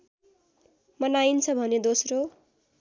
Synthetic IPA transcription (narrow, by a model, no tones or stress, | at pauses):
mʌnaint͡sʰʌbʱʌned̪osro